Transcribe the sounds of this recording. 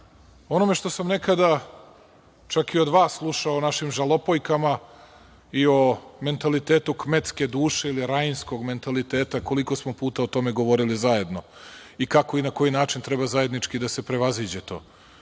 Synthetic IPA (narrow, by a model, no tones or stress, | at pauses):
o̞no̞me̞ʃt̪o̞samne̞kad̪a | t͡ʃakio̞d̪ʋaːsːlˠuʃaonaʃimʒalˠo̞po̞jkama | io̞me̞nt̪alit̪eːt̪ukmet̪ske̞d̪uːʃe̞iliɾajnsko̞ɡme̞nt̪alit̪eːt̪ako̞liko̞smo̞puːt̪aot̪o̞me̞ɡo̞ʋo̞ɾilizaje̞d̪no̞ikako̞inako̞jinaːt͡ʃint̪ɾebazaje̞d̪nit͡ʂkid̪ase̞pɾe̞ʋaziːd͡ʑet̪o̞̰ː